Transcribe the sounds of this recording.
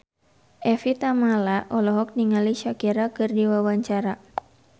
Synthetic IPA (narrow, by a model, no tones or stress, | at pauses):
ʔɛfit̪amalaʔɔlɔɦɔk̚niŋaliʃakiɾakɨrdiwawaɲt͡ʃaɾa